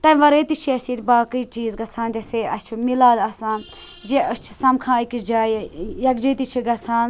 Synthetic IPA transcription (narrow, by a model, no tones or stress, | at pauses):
t̪ɐʋɐɾeːt̪it͡ʃʰiɐsiɾʲbaːkiːt͡ʃiːzɡɐt͡sʰaːnd͡ʒɐseɐst͡ʃʰimilaːd̪ɐsãːn | d͡ʒeɐst͡ʃʰi̥sɐmkʰãːikʲid͡ʒaːjjɐkd͡ʒiːt̪it͡ʃʰiɡɐsʰaːn